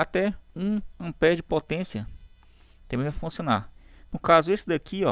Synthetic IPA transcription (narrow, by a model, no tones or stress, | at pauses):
at̪ɛũɐ̃pɛd͡ʒɪpot̪ẽsjɐ | t̪ẽbẽvafũsiõna̰nʊkazʊesɪd̪akʰiɔ